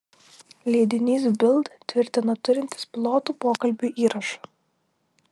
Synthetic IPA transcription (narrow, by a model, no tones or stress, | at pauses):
lʲeːd̪ʲɪnʲiːsbʲɪlˠt̪t̪ʲʋʲɪɾʲt̪ʲɪnɔt̪ʊɾʲɪnʲt̪ʲɪ̥spʲɪlˠoːt̪uːpoːkɐlʲbʲuˑʔiːɾɐʃɑ̥